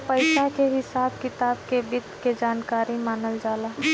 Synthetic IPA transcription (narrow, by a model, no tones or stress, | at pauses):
pəɪʃakeɦɪsaːbkɪt̪aːbkebɪd̪ked͡ʒaːnkaːɾimaːnəld͡ʒaːlaː